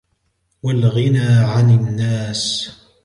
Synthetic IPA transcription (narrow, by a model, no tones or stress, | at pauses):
walɣɪnaːʕanɪnːaːs